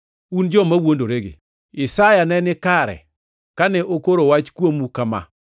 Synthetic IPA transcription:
und͡ʒɔmawondoɾeɡḛ | ɪsajanɛnɪkaɾɛ̰ | kanɛʔokoɾowat͡ʃkwomukama̰

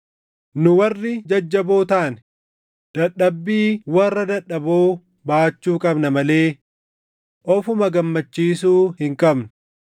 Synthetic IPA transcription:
nʊwɐrːɪd͡ʒɐd͡ʒːɐboːt̪aːnɛ | d̪̥ɐᶑːɐbːiːwɐrːɐd̪ɐᶑːɐboː | baːt͡ʃːuːkʼɐbnɐmɐle̞ː | ʔɔfʊmɐɡɐmːɐt͡ʃːiːsuːhɪŋkʼɐbnʊ̥

